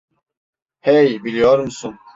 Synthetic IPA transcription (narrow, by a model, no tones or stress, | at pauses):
hɛjbilʲijoɾmsun